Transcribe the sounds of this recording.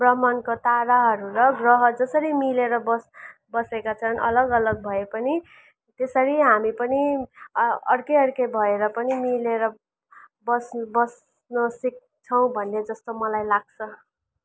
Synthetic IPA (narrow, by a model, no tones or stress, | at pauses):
brʌɦmʌnkot̪aɾaɦʌɾuɾʌɡrʌɦʌd͡zʌsʌɾimileɾʌbʌsbʌsekat͡sʰʌnʌlʌɡʌlʌɡ̚bʱʌepʌni | t̪esʌɾiɦamipʌni | ʌ̰rkeʌɾkebʱʌeɾʌpʌnimileɾʌ | bʌsbʌs | nosik̚ | t͡sʰʌw̃bʱʌnːed͡zʌst̪omʌlajlaɡ̚t͡sʰʌ